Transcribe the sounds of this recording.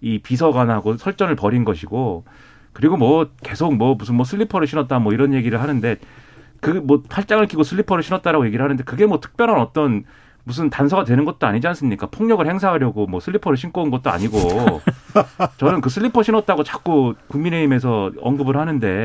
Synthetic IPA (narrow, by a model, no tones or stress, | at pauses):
ipis̬ʰʌɡanaɡosʰʌɭt͡ɕ͈ʌnɯɭpʌɾinɡʌɕʰiɡo | kɯɾiɡomwʌke̞sʰok̚mwʌmus̬ʰɯnmwʌsʰɯʎːipʰʌɾɯɭɕʰinʌt̚t͈amwʌiɾʌnje̞ɡiɾɯɭhanɯnde̞kɯmwʌpʰaɭt͡ɕ͈aŋɯɭk͈ʰiɡosʰɯɭːipʰʌɾɯɭɕʰinʌt̚t͈aɾaɡoje̞ɡiɾɯɭɦanɯnde̞kɯɡe̞mwʌtʰɯ̥k̚p͈jʌɾʌnʌt͈ʌn | mus̬ʰɯntansʰʌɡadwe̞nɯnɡʌt̚t͈oaɲid͡ʑians͈ɯmɲik͈apʰoŋɲʌɡɯɭhe̞ŋsʰaɦaɾjʌɡomwʌsʰɯɭːipʰʌɾɯɭɕ̬ʰink͈ounɡʌt̚t͈oa̰ɲiɡo | t͡ɕʌnɯnkɯsʰɯɭːipʰʌɕʰinʌt̚t͈aɡot͡ɕḁk͈okuŋmine̞ime̞s̬ʰʌʌŋɡɯbɯɭɦhanɯnde̞